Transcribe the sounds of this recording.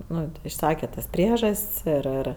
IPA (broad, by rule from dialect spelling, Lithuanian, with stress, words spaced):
ˈnʊ ɪʃˈsɑːkʲɛ tɐs ˈpʲrʲiɛʒɐsʲtʲsʲ ɪr ˈɪr